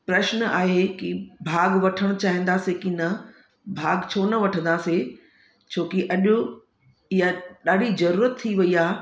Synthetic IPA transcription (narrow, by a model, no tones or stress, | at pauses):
pɾɛʃnaːɦekibʱaːɡʋɐʈʰəɽ̃t͡ɕaːɦĩn̆d̪aːsekinɐ | bʱaːɡt͡ɕʰoːnɐʋɐʈʰə̃nd̪aːse | t͡ɕʰoːkiʔɐʄʊ | ɪɦaɗaːɖʱid͡ʑɐɾuːɾət̪ʰːiʋɐiaː